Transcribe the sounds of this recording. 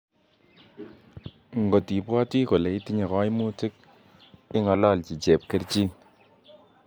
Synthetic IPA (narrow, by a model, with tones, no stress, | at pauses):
ŋ˨ɡo˨ti˨pɔ˦ti˦ko˨le˨i˦ti˦ɲa˨kɔ˦jmu˦ti˦k̚ | ɪ˦ŋɔ˨lɔ˦˨lt͡ʃi˨t͡ʃe˨p̚ke˦ɾt͡ʃi˦